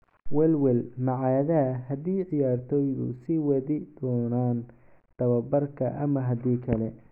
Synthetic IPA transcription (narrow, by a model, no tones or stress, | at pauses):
wɛlwɛlmɐʕɑːðɐɦɐd̪iːʕɪjaːrt̪ʰɔːjðʊ̰sɪwɐðɪd̪ɔːnaːn | d̪̥ɐβɐbɐrkʰɐʔɐmɐɦɐd̪iːkʰɐlɛ